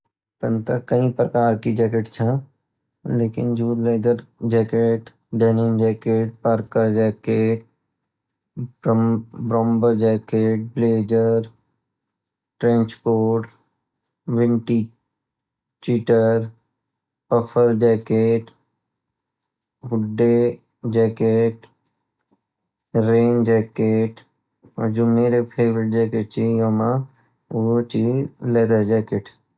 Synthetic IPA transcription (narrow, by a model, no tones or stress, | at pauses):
t̪ə̃nt̪əkɐĩpɾəkaːɾkid͡ʒɛːkeʈt͡ʃʰɛ̃ | leːkɪnd͡ʒuːd̪leːd̪əɾd͡ʒɛːkeːʈ | ɖɛːnɪmd͡ʒɛːkeːʈ̚paɾkəɾd͡ʒɛːkeːʈ | bɾɔ̃ːmbəɾd͡ʒɛːkeːʈ̚bleːd͡ʒəɾ | ʈɾɛ̃ːɲt͡ʃkoːɖ | ʋɪ̃ɳʈi | t͡ʃiʈəɾ | pəpʰəɾd͡ʒɛːkeːʈ | ɡʊɖːe | d͡ʒɛːkeːʈ | ɾeːnd͡ʒɛːkeːʈ | d͡ʒomeːɾepʰeːʋɾɪʈ̚d͡ʒɛːkeʈ̚t͡ʃijoma | ot͡ʃileːɾəɾd͡ʒɛːkeːʈ